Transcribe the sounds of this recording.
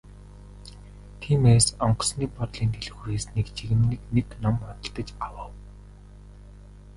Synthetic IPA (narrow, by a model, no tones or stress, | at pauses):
t̪ʰiːmeːsɔɴɢɞ̆sniːpɔt̪ɮiːnt̪ʰeɮɘ̆xuɾeːsnekt͡ɕiɣɘ̆mnɘ̆kneknɔmɔt̪ə̆ɬt̪ə̆t͡ɕawə̆w